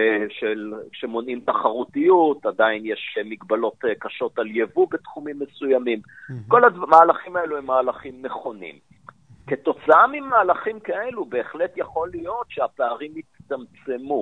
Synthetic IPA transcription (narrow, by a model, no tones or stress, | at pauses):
ʃelkʃe̞mo̞nimt̪aχaʁutijutadainjeʃemiɡbalo̞tkaʃo̞taljevubetχumimːesujamimko̞ladmaːlaχimaeluemːaːlaχimːeχo̞nḭm | ke̞to̞t͡saamimaːlaχimkaelube̞ːχletjaχo̞lijo̞tʃeapeaʁimitt̪amt͡se̞mu